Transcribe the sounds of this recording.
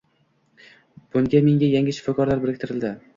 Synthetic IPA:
b̥ʊŋɡʲameŋɡʲajaŋʲɪʃʊ̥fɒkʰɒɾlaɾbɪɾɪk̚ʲt̪ʰɪɾɪld̪ɪ

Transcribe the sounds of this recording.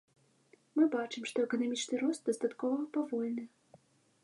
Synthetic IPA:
mɨbat͡ʂɨmʂt̪ɔɛkɐnamʲit͡ʂnɨɾɔst̪̚d̪ɐst̪at̪kɔvɐpavɔlʲnɨ

